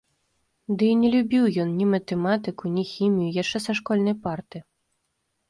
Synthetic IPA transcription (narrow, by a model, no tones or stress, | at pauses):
d̪ɨinʲɛlʲubʲiwjɔnnʲimɐt̪ɛmat̪ɨkunʲixʲimʲijujaʂt͡ʂɛsɐʂkɔlʲnɐjpart̪ɨ